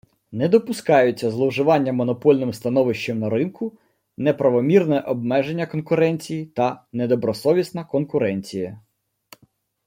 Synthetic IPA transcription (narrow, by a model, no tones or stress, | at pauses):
nɛd̪ɔpʊskɑjʊt͡sʲːɐzlˠɔwʒɪʋɑnʲːɐmɔnɔpɔlʲnɪmst̪ɐnɔʋɪʃt͡ʃɛmnɐɾɪnkʊ | nɛpɾɐʋɔmʲirnɛʔɔbmɛʒenʲːɐkɔnkʊɾɛnʲt͡sʲijit̪ɐnɛd̪ɔbɾɔsɔʋʲisnɐkɔnkʊɾɛnʲt͡sʲijɐ